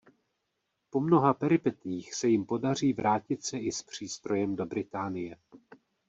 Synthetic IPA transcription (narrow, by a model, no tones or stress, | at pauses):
po̞mno̞ɦapɛɾɪpɛt̪jiːxsɛjɪmpo̞dar̝iːvɾaːcɪt̪sɛʔɪspr̝̥iːst̪ɾo̞jɛmdo̞bɾɪt̪aːnɪjɛ